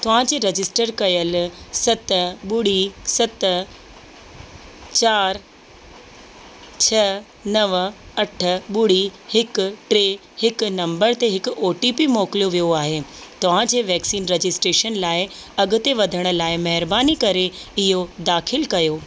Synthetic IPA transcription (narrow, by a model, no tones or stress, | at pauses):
t̪ɐʋ̤ãd͡ʑeːɾed͡ʑɪsʈəɾkɐjəlsɐt̪ɓʊɽ̤isɐt̪ | t͡ɕaːɾ | t͡ɕʰɐ | nɐʋɐʈʰə̆ɓʊɽ̤ihɪkʈɾeː | hɪknɐ̃mbəɾt̪eɦɪkʊoːʈipimɔːklijoʋijoaːɦeːt̪ɐʋ̤ãd͡ʑeːʋɛːksiːnɾed͡ʑɪsʈɾeːʃənlaːɪɐɡʊ̆t̪eʋɐd̪ʱəɽ̃ʊ̆laːɪmɐɦɪɾbaːnikɐɾeɪɦod̪aːxʰɪlkɐjoː